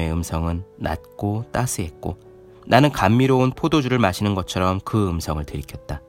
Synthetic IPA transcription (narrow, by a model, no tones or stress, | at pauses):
e̞ɯmsʰʌŋɯnːa̰t̚k͈ot͈asʰɯɦe̞t̚k͈o | nʔanɯnkamːiɾounpʰodod͡ʑuɾɯɭmaɕʰinɯnɡʌt͡ɕʰʌɾʌmkɯɯmsʰʌŋɯɭtɯɾikʰʌt̚t͈a